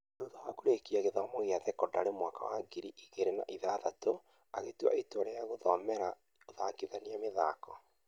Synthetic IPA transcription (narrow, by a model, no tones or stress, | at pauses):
duðawakuɾekiaɣeðɔmoɣeaðɛkɔdaɾemwaka̰waɡiɾiʔiɣeɾena̰ʔiðaðato | aɣetwa̰etwɔɾeaɣoðɔmɛɾa | oðakiðaniameða̰ːkɔ